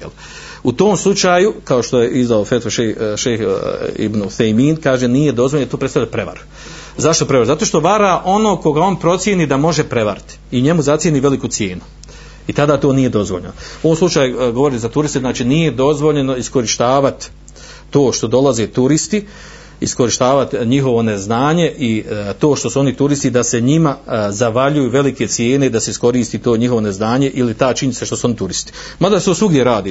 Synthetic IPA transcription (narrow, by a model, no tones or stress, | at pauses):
jel | ut̪o̞ːmslˠut͡ʃaːjukaoʃt̪o̞jeʔizd̪aofet̪foʃeʃexḭbnuθejmiːnkaːʒe̞niːje̞d̪o̞zʋonjt̪oːpɾet̪alʎapɾe̞ʋa̰ɾu̥ | zaʃt̪o̞pɾeaɾuzat̪oːʃt̪o̞ʋaɾaʔo̞no̞ːko̞ɡao̞ːnpɾo̞t̪sjeniːd̪amo̞ʒe̞pɾe̞ʋa̰ɾit̪i̥iɲe̞muzat̪sjeniːʋe̞likusje̞ːnu | it̪ad̪aːt̪o̞ːnije̞d̪o̞zʋoʎenouomslut͡ʃaːjuɡo̞ʋoɾit̪zat̪uɾist̪eznaːt͡ʃinije̞d̪o̞zʋo̞ʎe̞no̞isko̞ɾiʃt̪aːʋat̪ː | oːʃt̪o̞d̪o̞laze̞t̪uɾist̪i | isko̞ɾiʃt̪aːʋat̪ɲiɦo̞ʋo̞ne̞znaːɲe̞ʔit̪o̞ːʃt̪o̞suo̞nit̪uɾist̪id̪ase̞ɲimazaʋaʎujuːʋe̞like̞t̪sje̞ːne̞id̪ase̞isko̞ɾiːst̪it̪o̞ːɲiɦo̞ʋo̞ne̞znaːɲe̞ʔilit̪aːt͡ʃiɲit̪seʃt̪o̞suo̞nit̪uɾist̪i̥ | mad̪ast̪oːsuɡjeɾaːd̪i